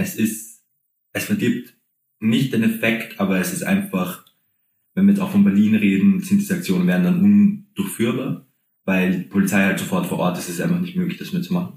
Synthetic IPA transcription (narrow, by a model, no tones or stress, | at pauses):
ʔɛsɪst | ʔɛsfɛɐɡiːp̚t | nɪçt̚d̥eːnɛfɛktʰʔaːbɐɛsɪstʔa̰ɪnfaχ | vɛnviːɐjɛt͡stʔaʊxfɔnbɛɐliːnʁeːdn̩z̥sɪntd̥iːzəak̚t͡sjoːnənveːɐdn̩danʔʊnd̥ʊɐçfyːɐbaːɐ | vaɪldiːpʰolit͡saɪhaltz̥ofɔɐtfoːɐʔɔːɐtɪstɪstʔaɪnfaχnɪçtmøːɡlɪçd̥asmiːɐt͡sumaχn̩